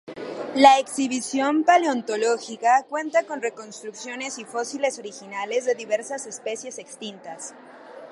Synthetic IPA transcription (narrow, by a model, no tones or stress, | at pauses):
laeksiβ̞isjo̞mpaleont̪o̞lo̞xikakwe̞nt̪ako̞nre̞ko̞nst̪ɾuksjo̞ne̞sifo̞sile̞so̞ɾixinale̞zðe̞ðiβe̞ɾsase̞spe̞sje̞se̞kst̪int̪as